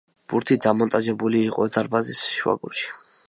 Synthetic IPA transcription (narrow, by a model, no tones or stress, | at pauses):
b̥uɾt̪ʰid̪amɔnt̪ʼad͡ʒɛbuliːqʼɔɛd̪aɾbazisʃua̰ɡṵɾʃi̥